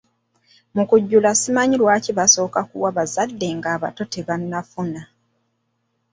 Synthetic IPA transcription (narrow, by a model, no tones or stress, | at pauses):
mukuɟːulasimaɲilwaːciβaso̞ːkakuwaβazadːe̞ŋɡaːβa̰to̞teβanːafuna